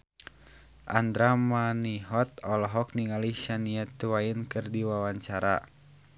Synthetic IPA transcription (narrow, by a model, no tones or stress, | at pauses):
ʔa̰nd̪ɾamaniɦɔt̪̚ɔlɔɦɔk̚niŋaliʃaniat̪uwainkɨrdiwawaɲt͡ʃaɾa̰